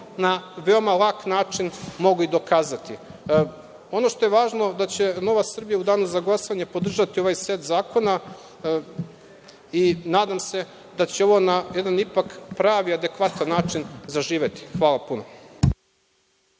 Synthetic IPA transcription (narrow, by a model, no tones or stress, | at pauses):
naʋe̞omalˠaːknaːt͡ʃinmo̞ɡuid̪o̞kaːzat̪i | o̞no̞ʃt̪o̞je̞ʋaːʒno̞d̪at͡ɕe̞no̞ʋasr̩bijaud̪aːnuzaɡlˠasoʋaɲepod̪r̩ʒat̪io̞ʋajset̪zaːko̞na | inaːd̪amse̞ | d̪at͡ɕeo̞ʋo̞najed̪anipakpɾaːʋiad̪e̞kʋat̪anːaːt͡ʃinzaʒiːʋe̞t̪i̥xʋaːlˠapuno